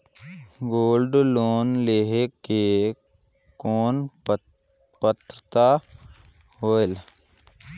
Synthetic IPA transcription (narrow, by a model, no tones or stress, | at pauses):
ɡoːlɖloːnleɦeke | koːn | pət̪ɾət̪a | hoːel